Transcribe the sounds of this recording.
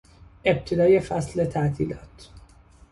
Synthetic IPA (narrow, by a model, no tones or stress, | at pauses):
e̞b̚t̪ʰed̪ɒːje̞fæsle̞t̪ʰæʔt̪ʰḭːlɒːt̪